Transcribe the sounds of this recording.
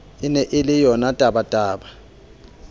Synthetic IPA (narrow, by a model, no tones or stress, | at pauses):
ɪnɛʔɪlɪjɔnatʼaɓatʼaːɓa